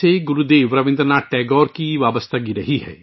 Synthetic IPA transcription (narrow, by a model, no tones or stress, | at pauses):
eɡʊɾud̪eːʋɾɐʋɪ̃nd̪ɾənaːʈʈɛːɡɔːɾkiʋaːʋəst̪ʰaɡiɾɐɦiɦɛ̰ː